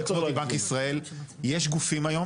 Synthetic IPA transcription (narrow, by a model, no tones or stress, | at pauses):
koibankisʁae̞ljeʃɡufimajo̞